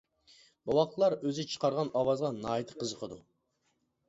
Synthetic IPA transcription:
bɑwɑq̪lˠɑɾøzɪt͡ʃʰə̥qɑɾʁɑnɑwɑzʁɑnɑːit̪ʰə̥qʰəzəqʰəd̪u

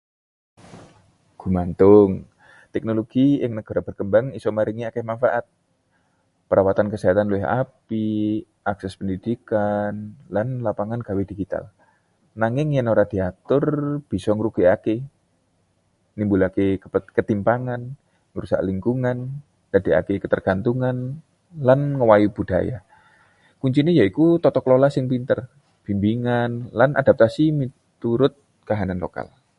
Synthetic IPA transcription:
ɡ̥umant̪ʊŋ | t̪ɛk̚noloɡ̥ijəŋnəɡ̥aɾab̥ərkəmbaŋisɔmaɾiŋiakɛmanfaʔat̪̚ | pəɾawat̪ankəsiɦat̪anluɛɦa̰pi | ʔaksɛspəndidikanlanlapaŋanɡ̥awediɡit̪a̰l | naŋɪŋjanoɾad̥iat̪ʊrb̥isɔŋɾukiake | nimbulakekət̪impaŋan | ŋəɾusa̰ʔliŋkuŋan | d̥adea̰kekət̪ərɡ̥ant̪uŋan | lanŋəwajub̥ud̥a̰ja̰ | kuɲt͡ʃinejaikut̪ɔt̪ɔklolasɪŋpint̪ər | b̥imbiŋanlanadap̚t̪asimi | t̪uɾʊt̪̚ | kaɦananlo̰ka̰l

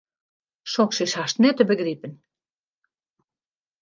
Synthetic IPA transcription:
ʃokʃeʃɑʃt̪net̪ə̆bɘ̆ɣɾipɘ̆n

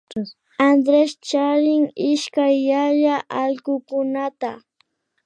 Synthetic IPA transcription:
and̪ɾest͡ʃaɾɪŋɪʃkajːaʎaʔaʎkʊkʊnat̪a

